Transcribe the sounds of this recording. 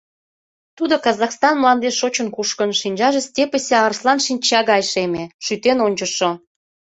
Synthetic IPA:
t̪ud̪okɑzɑxst̪ɑnmlɑnd̪eʃot͡ɕə̆nkuʃkə̆nʃinʲd͡ʑɑʒĕsʲtʲepəsʲeɑrslɑnʃinʲt͡ɕɑɣɑjʃemeʃyt̪enonʲt͡ɕəʃo

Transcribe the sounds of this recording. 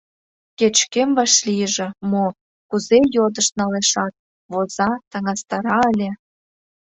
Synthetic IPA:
ket͡ɕkemβɑʃlijəʒĕmo | kuzejod̪ə̆ʃnɑleʃɑt̪̚ | βozɑt̪ə̆ŋɑst̪ɑɾɑəlʲĕ

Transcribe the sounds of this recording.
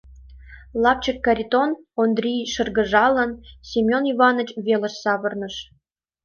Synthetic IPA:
lˠɑp̚t͡ɕəkːɑɾʲit̪onond̪rʲijʃɤ̆rɣə̆ʒɑlˠənsʲimʲoniβɑnə̆t͡ɕβʲelə̆ʃsɑβə̆rnə̆ʃ

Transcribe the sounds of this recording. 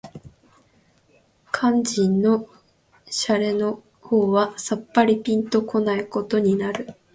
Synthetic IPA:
kʰãɲ̟d͡ʑĩnːo̞ | ɕaɾe̞no̞ | ho̞ːβasapːaɾʲipʲĩnt̪o̞ko̞naiko̞t̪o̞ɲ̟inaɾɯ̟

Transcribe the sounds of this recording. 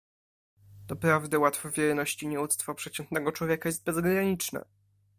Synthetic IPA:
d̪ɔpɾavd̪ɘwat̪fɔvʲjɛɾnɔɕt͡ɕiɲɛut̪st̪fɔpʂɛt͡ɕɛnt̪nɛɡɔt͡ʂwɔvʲjɛkajɛst̪̚bɛzɡɾaɲit͡ʂnɛ̰

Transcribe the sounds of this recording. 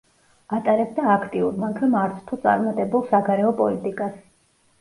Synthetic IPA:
at̪ʼaɾɛb̚d̪aːkʰt̪ʼiuɾmakʰɾamaɾt̪sʰt̪ʰɔt̪sʼa̰ɾmat̪ʼɛbulˠsaɡaɾɛɔpʼɔlit̪ʼikʼas

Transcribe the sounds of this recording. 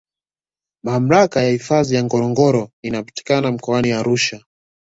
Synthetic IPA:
mam̩ɾakajahifazijaŋɡɔɾɔŋɡɔɾɔinapḁti̥kanam̩kɔaniaɾuʃa

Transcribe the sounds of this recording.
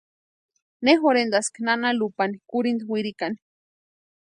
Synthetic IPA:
nexoɾend̪asknanalupanikuɾind̪wiɾikani̥

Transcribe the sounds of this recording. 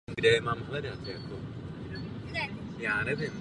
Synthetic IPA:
mɡdɛɛmaːmɦlɛdat̪jakʰo | jaːnɛvɪm

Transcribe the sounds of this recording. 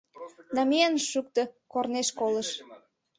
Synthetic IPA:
nɑmianʃyk̚t̪ə̆korneʃkolə̆ʃ

